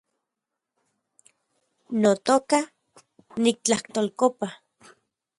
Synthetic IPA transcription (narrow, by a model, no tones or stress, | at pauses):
not̪oka | nik̚t͡ɬaht̪olkopa